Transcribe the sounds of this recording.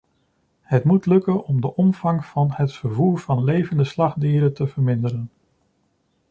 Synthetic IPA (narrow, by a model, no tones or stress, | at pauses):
hətmutlɵkənɔmdəʔɔmv̥ɑŋvɑnɦətfəɹvuːɹvɑnlejvəndəslɑχdiːɾətəvəɹmɪndəɾən